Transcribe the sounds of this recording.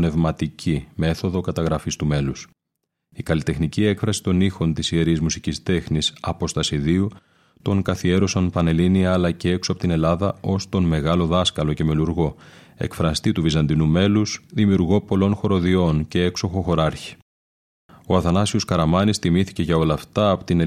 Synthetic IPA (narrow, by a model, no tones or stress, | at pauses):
ne̞vmɐt̪icʰime̞θo̞ðo̞kɐt̪ɐɣɾɐfist̪ume̞lus | ikɐlit̪e̞xnicie̞kfɾɐsi̥t̪o̞nixo̞nt̪isie̞ɾizmusicist̪e̞xnisɐpo̞st̪ɐsiðiu | t̪o̞ŋkɐθie̞ɾosɐnpɐne̞liniɐːlɐcee̞ksoɐpot̪ine̞lɐðɐo̞st̪o̞nme̞ɣɐlo̞ðɐskɐlo̞ce̞me̞luɾɣo̞ | e̞̰kfɾɐst̪it̪uvizɐnd̪inume̞lusðimiuɾɣo̞po̞lo̞nxo̞ɾo̞ðio̞nce̞ekso̞xo̞xo̞ɾɐɾçi̥ | o̞ɐθɐnɐsioskɐɾɐmɐnist̪imiθice̞ʝɐo̞lɐft̪ɐːpot̪in